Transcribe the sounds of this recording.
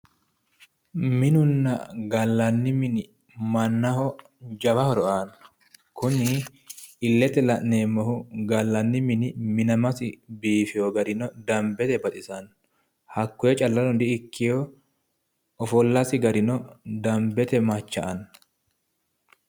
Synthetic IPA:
mɪnʊnːɐ̰ɡɐlːɐnːɪmɪnɪ | mɐnːɐhɔ | d͡ʒɐbɐhɔɾɔʔan | kʊnɪ | ɪlːɛt̪ɛlɐʔneːmːɔhʊɡɐlːɐnːɪmɪnɪmɪnɐmɐsɪbiːfɪjoɡɐɾɪnɔd̪ɐmbɛt̪ɛbɐt̪ʼɪsɐn | hɐkːɔjɛt͡ʃʼɐlːɐlɔd̪ɪɪkːɪjo | ɔfɔlːɐsɪɡɐɾɪnɔd̪ɐmbɛt̪ɛmɐt͡ʃːɐ̰ʔɐn

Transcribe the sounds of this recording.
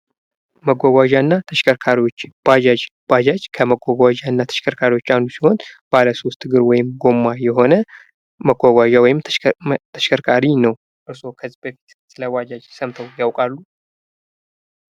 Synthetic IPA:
məɡʷaɡʷaʒanːat̪ʰəʃʰəkʰaɾiwo̞t͡ʃːb̥ad͡ʒad͡ʒb̥ad͡ʒad͡ʒkʰəməɡʷaɡʷad͡ʒanːat̪ʰə̥ʃkʰəɾkʰaɾiwo̞t͡ʃːandusiho̞nbaləso̞st̪ʼɡɨɾwɔjɪmɡo̞mːajɛɦo̞nə | məɡʷaɡʷaʒawɔjɪmt̪ʰəʃkʰəɾkʰʼaɾinəw | ʔɨɾso̞kʰəzːibəfi̥t̪sɨləwʷad͡ʒad͡ʒsəmt̪ʰəwjawkʼalːu

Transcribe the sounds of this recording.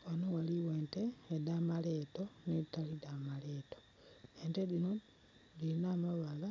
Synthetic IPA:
wanowaliweːnteːdamale̞ːto̞neitalidamaleːto̥ | eːntedino | dilinaːmaβala

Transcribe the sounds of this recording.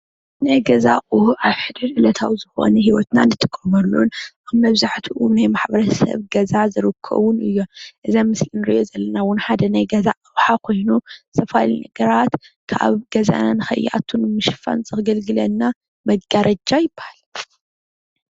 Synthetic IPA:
najɡɐzaʔʼuhʔaβħɨd̪ɨdʔɨlɐt̪ʰawzɨxo̞̰nɛɦiwɔt̪nanɨt̪ʰɨkʼːɐmɐlːunʔaβmɐβzaħt̪ʰuʔunajmaħbɐɾɐsɐ̰βɡɐzazɨɾɨkʰːɐ̰βunʔɨjːo̞ʔɨzamɨslinɨɾḭʔjo̞zɐlːɐnawʊnħad̪ɐnajɡɐzaʔʼɨwħakʰo̞jnusɐfalinɐɡɐɾat̪ | kʰa̰βɡ̥ɐza̰nanɨxɐ̰jːa̰t̪ʰunmɨʃfa̰nt͡sʼɨxɡɐlɡɨlɐnːa | mɐɡaɾɐd͡ʒajɪbːahal

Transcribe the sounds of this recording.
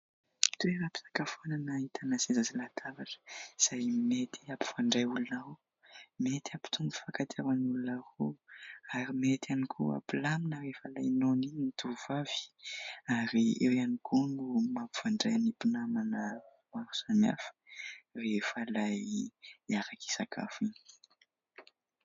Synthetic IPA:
t̪ueɾapi̥sḁkafonanait̪ʰanasezazilat̪ʰavaʈ͡ʂə̥z̥ajmet̪ʰiapi̥v̥aɳɖ͡ʐajulunao | met̪iapi̥t̪ʰuŋufakat̪ʰeɾanulunaɾoaɾimet̪ʰanikʰua̰pilaminəɾefalajnoninit̪ʰuvavi̥aɾiewanikʰunumapi̥v̥aɳɖ͡ʐajanipinamanə | waɾu̥sana̰fə̥refəlaj | aɾaki̥sakʰa̰fini̥

